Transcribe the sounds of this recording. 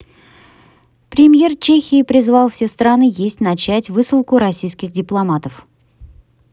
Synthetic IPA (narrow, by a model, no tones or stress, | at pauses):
pɾʲemʲje̞rt͡ɕexʲɪːpɾʲɪzvɑlˠfsʲe̞st̪ɾanɨjesʲtʲnat͡ɕætʲvɨsɨlˠkʊɾɐsʲijskʲɪxdʲɪplˠɐmat̪əf